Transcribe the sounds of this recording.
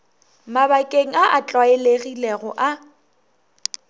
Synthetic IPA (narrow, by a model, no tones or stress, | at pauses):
mabakʼeŋ̩aʔat͡ɬʼwaeleɣileɣɔʔa